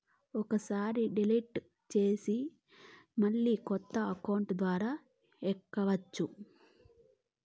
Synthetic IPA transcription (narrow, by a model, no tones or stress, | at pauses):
ɔkɐsaːɾiɖilɐjʈ | t͡ʃe̞ːsi | mɐɭːiːkɔt̪ːɐɐkɐwɳʈd̪ʋaːɾaː | ɛkːɐʋɐt͡ʃːu